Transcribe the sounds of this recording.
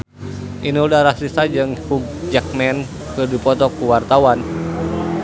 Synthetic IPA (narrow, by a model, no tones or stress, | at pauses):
ʔiniudaɾahsisad͡ʒɨŋhuɡ̚d͡ʒak̚mɛn | kɨrdipɔt̪ɔkuwart̪awan